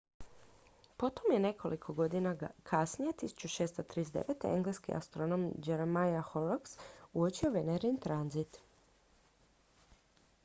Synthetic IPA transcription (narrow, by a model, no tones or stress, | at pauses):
po̞t̪omjene̞kʰo̞lʔikʰo̞ɡo̞d̪inakʰasnije̞t̪isu̥t͡ʃuʃeːst̪ot̪ɾizd̪ḛʋet̪eeŋɡleskḭʔa̰st̪ɾono̞md͡ʒeɾemajaxoloksuot͡ɕioʋeneɾint̪ɾanzit̪